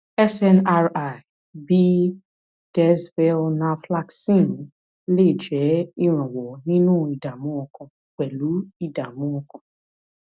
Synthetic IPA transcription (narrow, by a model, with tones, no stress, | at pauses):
ɛ˦sɛ˦na˦ɾa˨ | bi˦ | d̥ɛ˦svɛ˧lnã˧fla˦ksĩ˦˨n˨˦ | le˦˨d͡ʒɛ˨˦i˦ɾ̃ã˨wɔ˨nĩ˦nũ˦˨i˨da˨mũ˨˦ɔ̃˧kɔ̃˧ | k͡pɛ˨lu˨˦i˦˨da˨mũ˦ɔ̃˧kɔ̃˨˧